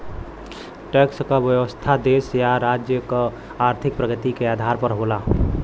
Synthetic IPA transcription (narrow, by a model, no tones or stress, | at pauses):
ʈekskabjəwəst̪ʰad̪esjaɾad͡ʒjəkə | aɾt̪ʰɪk̚pɾəɡət̪ikeaːd̪ʱaɾpəɾɦola